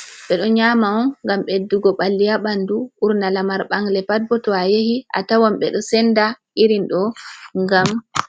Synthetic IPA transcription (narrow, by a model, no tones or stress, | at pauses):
ɓɛɗɔɲamaɔnŋɡamɓedːuɡɔɓalːijaɓanduʔuɾnalamaɾɓaŋɡlɛpad̚bɔtɔajehiʔa̰tawamɓɛ̰ɗɔsɛndaʔiɾinɗɔŋɡam